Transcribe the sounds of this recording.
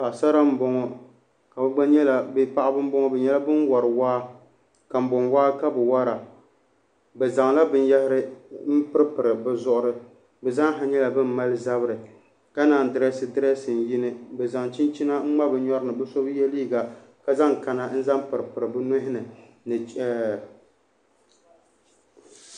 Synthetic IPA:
pa˨ʔsa˦ɾa˦m̩˦bɔ˦ŋɔ˨ | ka˨bɛ˦ɡ͡ba˦ɲɛ˦la˨bi˦pa˦ʔa˦bɨ˦m̩˦bɔ˦ŋɔ˦bɛ˨ɲɛ˦la˦bɨ˦nwɔ˨ɾɨ˨waː˦ | ka˨m̩˦bʊ˨nwaː˦ka˦bɨ˨wa˦ɾa˨ | bɛ˨za˨ŋla˦bɨ˦n˦jɛ˦hɪ˦ɾɨ˦m̩˦pɨ˦ɾɨ˦pɨ˨ɾɨ˨bɛ˨zʊ˦ʔʊ˦ɾɨ˦ | bɛ˨za˦ŋ˦ɦa˨ɲɛ˦la˨bɨ˦m̩˦ma˦lɨ˦za˦bɨ˦ɾɨ˨ | ka˦naː˨n˨dɨ˨ɾɛ˦sɨ˨dɨ˦ɾɛ˦sɨ˨n˨ji˦nɨ˦bɛ˨za˨ŋt͡ʃi˦nt͡ʃi˦na˦ŋ͡m̩˦ŋ͡ma˦bɨ˨ɲɔ˦ɾɨ˦nɨ˨bɨ˦so˦bjɛ˦liː˦ɡa˨ | ka˦za˦ŋ˨ka˨na˨n̩˦za˦m˦pɨ˨ɾɨ˨pɨ˨ɾɨ˨bɨ˦nʊ˦ɦɪ˦nɨ˨ | nɨ˨t͡ʃɛ˦˨

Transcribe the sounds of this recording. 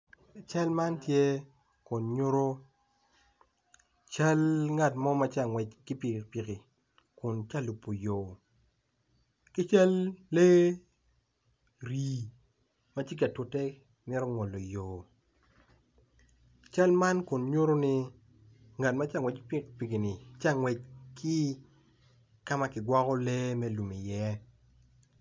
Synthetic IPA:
t͡ʃa˦lma˦ntje˦ | kʊ˨nɲo˦ɾo˦ | t͡ʃa˦lŋa˨tmɔ˦ma˦t͡ʃa˨ŋwɛ˨t͡ʃkɪ˦pi˨pi˨ki˨ | kʊ˨nt͡ʃa˦lu˨pːo˨joː˨ | kɪ˦t͡ʃa˦lːe˦ | ɾi˨ | ma˦t͡ʃi˦k̬a˨tʊ˨tɛ˦ | mɪ˦ɾɔ˦ŋɔ˨lːo˨joː˨ | t͡ʃa˦lma˦nkʊ˨nɲo˦ɾo˦nɪ˦ | ŋa˨tma˦t͡ʃa˨ŋwɛ˨t͡ʃkɪ˦pi˦kpi˨ki˨nɪ˨t͡ʃa˦˨ŋwɛ˨t͡ʃkʰɪ˦ | ka˦ma˦kɪ˨ɡwɔ˦kɔ˦le˦mɛ˦lu˨mi˨jɛ˦

